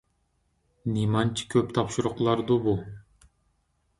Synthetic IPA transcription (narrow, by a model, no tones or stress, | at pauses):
nimɑnt͡ʃi̥kʰøpt̪ʰɑpʃuɾuqlˠɑɾd̪ubu